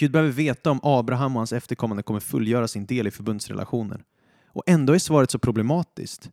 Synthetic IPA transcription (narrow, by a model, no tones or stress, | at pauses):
ɡ̥ʉ̟ːd̪bɛhœːvəɾveːt̪aɔmʔɑːbɾaɦamːɔhansɛft̪əɾkʰɔmːand̪əkɔmːəɾfɵlːjœːɾasɪnd̪eːlɪfœɾbɵnd̪sɾɛ̰lʔa̰ɧuːnə̰n | ʔɔ̰ʔɛnd̪oːæɾsvɑːɾət̪sɔpʰɾʊblɛmɑːt̪ɪ̰skt̪